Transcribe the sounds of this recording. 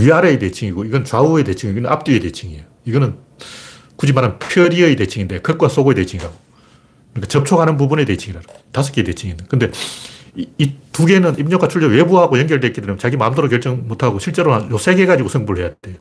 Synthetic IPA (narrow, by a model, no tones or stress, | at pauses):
ɥiaɾete̞t͡ɕʰiŋiɡoiɡʌnɯnt͡ɕauete̞t͡ɕʰiŋiɡenɯnap̚t͈iete̞t͡ɕʰiŋijoiɡʌnɯn | kud͡ʑimaɾanpʰjʌɾiejte̞t͡ɕʰiŋindekʌk͈was͈oɡoetet͡ɕʰiŋiɾaɡo | kɯnɲik͈at͡ɕʌp̚t͡ɕʰoɡɦanɯnbubune̞tet͡ɕʰiŋiɾadotas̬ʰo̥k͈ʰiete̞t͡ɕʰiŋindekɯnde̞ | tuɡe̞nɯnimɲok͈ʰat͡ɕʰuɭd͡ʑʌwebuɦaɡojʌŋɡjʌɭt̬͈eik͈idwemjot͡ɕaɡimaɯmdoɾok̬jʌɭt͡ɕ͈ʌŋmotʰaɡoɕʰiɭt͡ɕ͈e̞ɾoajos͈ʰe̞ɡe̞ɡad͡ʑiɡosʰeŋbuɾɯɭɦejadd̥ejo